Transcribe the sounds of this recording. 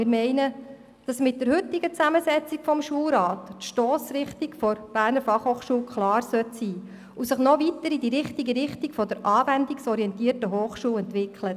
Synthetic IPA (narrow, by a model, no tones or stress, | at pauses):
mɪɾmɛɪnə | d̥ɑsmɪt̚d̥əɾhɵtːiɡət͡sæməsɛt͡sikfɔmʃuːlɾɑːttʃtɔːsɾɪχtikfɔɾb̥æːɾnəɾfɑχhoːχʃuːlkʰlɑːrsœt̪siː | usəχnɔvitəɾidiɾɪχtiɡəɾɪχtikfɔd̥əɾʔɑːvændiksɔɾiɛntiːərtəɦoːχʃuːlɛntʋɪkχlə